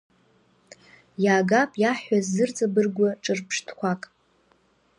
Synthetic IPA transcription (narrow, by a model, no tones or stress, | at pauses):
jaːɡapʼjaħazːɨrt͡sʼabɨrɡʷaʈ͡ʂʼɨrpʰʂtʰkʷʰakʼ